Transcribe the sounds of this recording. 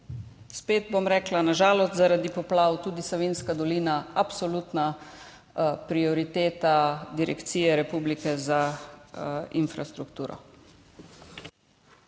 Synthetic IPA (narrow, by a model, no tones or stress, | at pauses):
speːd̪̚bomɾɛːklanaʒaːlɔst̪zaɾad̪ipɔplawt̪uːd̪isɔʋinskad̪ɔliːnaapsɔlut̪na | pɾiɔɾit̪eːt̪ad̪iɾɛkt̪siːjɛɾɛpuːblikɛza | infɾast̪ɾukt̪uːɾɔ̰